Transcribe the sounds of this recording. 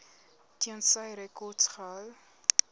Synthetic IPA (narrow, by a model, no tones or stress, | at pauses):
tiənsɐjɾɛkɔtsχal